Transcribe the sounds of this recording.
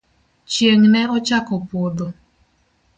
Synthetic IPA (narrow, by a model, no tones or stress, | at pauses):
t͡ʃjeŋnɛɔt͡ʃakɔpod̪o